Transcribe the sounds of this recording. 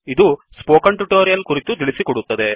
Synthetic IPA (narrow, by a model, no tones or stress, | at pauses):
id̪uspoːkɐɳʈuʈoːɾijɐlkuɾit̪ut̪iɭisikɔɽut̪ːɐd̪e̞